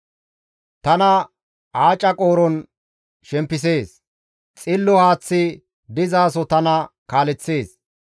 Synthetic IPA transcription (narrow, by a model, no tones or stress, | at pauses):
t̪ɐnɐ | aːt͡ʃʼːɐkʼo̞ːɾɔn | ʃɛmpːɪs̬e̞ːs | t͡sʼɪlːɔhaːt͡sːɪ | d̪ɪzaːsɔt̪ɐnɐkaːlɛt͡sːe̞ːs